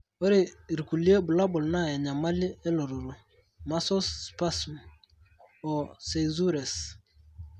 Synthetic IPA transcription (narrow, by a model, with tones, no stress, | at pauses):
o˦ɾɪ˦˨ɾi˨ku˨li˦e˦bʊ˨la˦bʊ˨lna˦˨ja˨ɲa˨ma˦lɪ˦e˦lo˨ɾo˨ɾo˨ | ma˦sɔ˦spa˦sm | ɔ˨se˨zu˦ɾɛ˨s